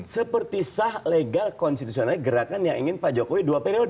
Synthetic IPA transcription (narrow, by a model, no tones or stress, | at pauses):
səpərt̪isahleɡalkɔnst̪it̪usionalɡəɾakanjaŋʔiŋɪnpad͡ʒokowiduapeɾiod